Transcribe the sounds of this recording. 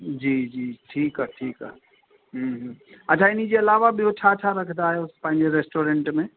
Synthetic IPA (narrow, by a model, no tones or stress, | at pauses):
d͡ʒiːd͡ʒiːʈʰiːkɦɛʈʰiːkɛ̰ | ɦũɦəːt͡ʃʰaɪnid͡ʒeɐlaːʋabʱiot͡ʃʰat͡ʃʰaɾəkʰt̪aɦɛʊspãɦĩnd͡ʒeɾesʈoːɾẽɳʈmẽ